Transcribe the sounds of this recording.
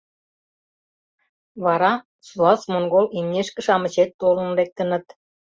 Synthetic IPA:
βɑɾɑ | suɑsmonɡolimnʲeʃkə̆ʃɑmə̆t͡ɕet̪ːolə̆nlek̚t̪ə̆nə̆t̪

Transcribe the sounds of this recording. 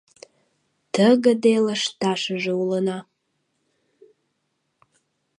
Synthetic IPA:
t̪ʰəɡəd̪eləʃt̪aʃəʒəuləna

